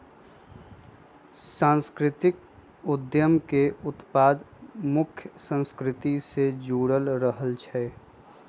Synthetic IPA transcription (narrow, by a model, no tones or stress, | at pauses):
sãːnskɾɪt̪ɪk̚ | ʊd̪jəmkeʊt̪paːd̪mʊkʰjəsə̃nskɾɪt̪ised͡ʒuːɽəlɾəɦəlt͡ʃʰɛ